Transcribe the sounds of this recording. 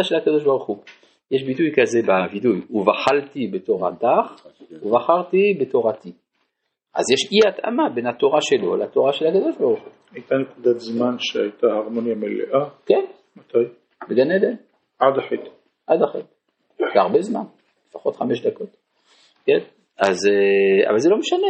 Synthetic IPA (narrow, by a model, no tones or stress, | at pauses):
aʃelhakad̪o̞ʃbaʁuχu | jeʃbitujkazebavidujuvaχalt̪ibet̪oʁa̰d̪aχuvaχaʁt̪ibet̪oʁat̪i | ʔa̰zjeʃʔiaat̪ʔa̰mabenhat̪oʁaʃelo̰lat̪oʁaʃelhakad̪o̞ʃbaʁuχu̥ | ajt̪anekud̪at̪zmanʃehajt̪ahaʁmonjamelḛʔaken | mat̪aj | beɡaned̪en | ʔad̪aħit̪ | ʔad̪aχit̪ | veaʁbezma̰n | lefaχo̞t̪χameʃd̪ako̞t̪ | ken | azea̰valzelo̞meʃane